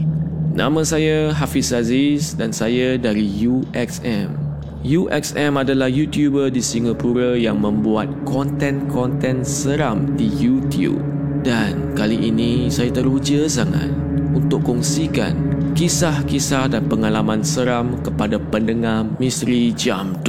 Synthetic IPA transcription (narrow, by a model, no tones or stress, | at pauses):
nʔã̰mə̃sajaɦafisazisdansajadaɾijuʔɛksɛ̃m | juʔɛ̰ksɛ̃madalahjut̪jubədisiŋapuɾajaŋmə̃mbuat̪̚kɔnt̪ɛ̃nkʰɔnt̪ɛ̃nsəɾamdijut̪jṵp̚ | dankaliʔinĩsajat̪əɾud͡ʒəsaŋa̰t̪̚ | unt̪ʊʔkɔŋsika̰nkisahkisahdanpəŋalamãnsəɾamkəpadapəndəŋahmĩst̪ɾid͡ʒamt